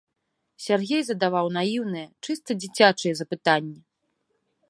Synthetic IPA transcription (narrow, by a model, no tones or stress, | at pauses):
sʲarɣʲejzɐd̪avawnajiwnɨjɛt͡ʂɨst̪ɐd͡zʲit͡sʲat͡ʂɨjɛzɐpɨt̪anʲːɛ